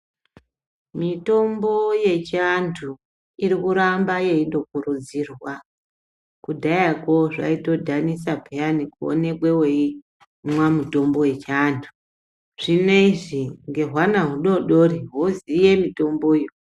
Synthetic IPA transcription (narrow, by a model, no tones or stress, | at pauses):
mito̞mbo̞je̞t͡ʃantʰu | iɾikuɾambaje̞indo̞kurud͡zirwa | kudʱajako̞ʐa̰ito̞dʱanisapʰeanikuo̰ne̞kwewei | mwamuto̞mbo̞we̞t͡ʃaːntʰu̥ | ʐ̥ine̞iʐiŋɡe̞ɦwanaɦuɗo̞ɗo̞ɾiɦozije̞mito̞mbo̞ijo